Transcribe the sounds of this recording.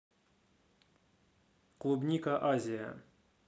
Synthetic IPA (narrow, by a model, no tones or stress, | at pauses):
qlˠubnʲikɐʔazʲɪja̰